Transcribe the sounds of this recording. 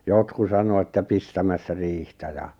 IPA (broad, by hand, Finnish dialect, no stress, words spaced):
jotku sɑno etːæ pistæmæsːæ riːhtæ jɑ